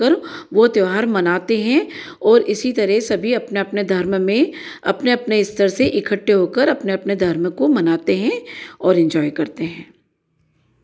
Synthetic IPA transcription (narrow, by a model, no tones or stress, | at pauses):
əɾʋot̪eʋɦaɾmɐnaːt̪eɦɛ̃ | ɔːɾʔɪsit̪ɐɾɛsɐbʱiɐpneɐpned̪ʱɐɾmmẽɐ̰pneɐpneɪst̪əɾseʔɪkʰəʈːeɦoːkəɾɐpneɐpned̪ʱɐɾməkomɐnaːt̪eɦɛ̃ɔːɾɛ̃nd͡ʒɔːjkɐɾt̪eɦɛ̃ː